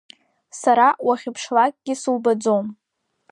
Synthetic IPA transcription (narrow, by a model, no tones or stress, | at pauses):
saɾawaχʲɪpʰʂlakʼɡ̥ʲɪsɨlbad͡zom